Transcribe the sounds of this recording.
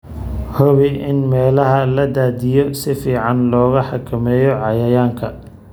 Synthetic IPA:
hɔβɪʔɪnmɛːlɐɦɐlɐd̪aːd̪ɪjɔsɪfiːʕɑnlɔːɣɐħɑkʰɐmɛːjɔʕɑjɐjaːŋkʰɐ

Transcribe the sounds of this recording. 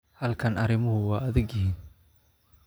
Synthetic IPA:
hɐlkʰɐnʔɐɾɪmʊɦʊwɑːɐðɪɡjɪhiːn

